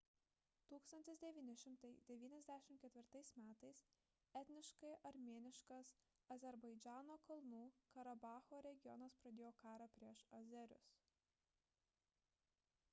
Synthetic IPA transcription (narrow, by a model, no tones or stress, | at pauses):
t̪uːkst̪ɐnʲt̪ʲɪsʲd̪ʲɛʋʲiːnʲɪʃʲɪmt̪ɐɪd̪ʲɛʋʲiːnʲɛzʲd̪ʲæːʃʲɪmt̪kʲɛt̪ʲʋʲɪɾt̪ɐɪsmʲæːt̪ɐɪs | ɛt̪ʲnʲɪʃkɐɪʔɐɾʲmʲeɛnʲɪʃkɐs | ɐzʲɛɾbɐɪd͡ʒʲæːnoːkɐlˠnuːkɐɾɐbɑːxoːɾʲɛɡʲɪjɔnɐspɾɐd̪ʲeːjoːkɑːɾɐpʲɾʲiɛʃɐzʲɛɾʲʊ̰s